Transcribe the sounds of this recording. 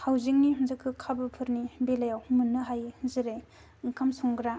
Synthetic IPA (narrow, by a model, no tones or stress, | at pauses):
hawzik̚niɦɯnzɯkʰːɯkʰabɯpʰɯɾnibelajawhmɯnːɯɦajhɯnzɯɾe | ɯŋkʰamsɔŋɡɾa